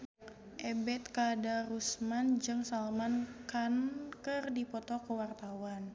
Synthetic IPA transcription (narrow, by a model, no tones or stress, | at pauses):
ʔɛbɛt̪̚kadaɾusmand͡ʒɨŋsalmankankərdipɔt̪ɔkəwart̪awan